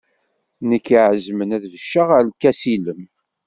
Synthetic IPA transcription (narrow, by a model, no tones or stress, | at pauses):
nəkːiʕəzmənæðvəʃːəʁəlkːæsiləm